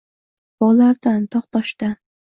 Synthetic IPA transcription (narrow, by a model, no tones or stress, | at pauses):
b̥ɒlaɾd̪ant̪ʰɒqt̪ʰɒʃt̪a